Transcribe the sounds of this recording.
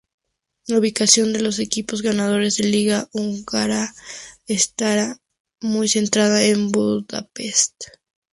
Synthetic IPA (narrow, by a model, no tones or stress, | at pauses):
lauβikasjo̞nd̪e̞lo̞s̬e̞kipo̞zɣanað̞o̞ɾe̞zðe̞liɣauŋɡaɾaest̪aɾa | mujse̞nt̪ɾaðaembuða̰pe̞st̪